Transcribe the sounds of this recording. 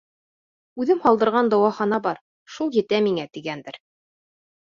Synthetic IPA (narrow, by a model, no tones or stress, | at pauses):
ʉðɘmhɑlˠd̪ɤ̆ɾʁɑnd̪ɑwɑχɑnɑbɑɾ | ʃulˠjɘ̆t̪æmiŋæt̪iɡænd̪ɘɾ